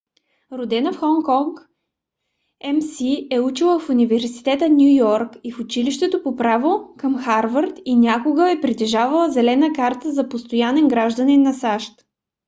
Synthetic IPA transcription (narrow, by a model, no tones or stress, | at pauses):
ɾod̪ɛnəfxɔŋkɔŋk | ɛmsiɛut͡ʃilˠəfunivɛɾsi̥t̪ɛt̪ənʲjujɔɾkifʊt͡ʃiliʃt̪ɛt̪opopɾavokəmxaɾvəɾt̪inʲakoɡəɛpɾit̪ɛʒavəlˠəzɛlɛnəkaɾt̪əzɐpost̪ojanɛnɡɾaʒd̪əninːɐsaʃt̪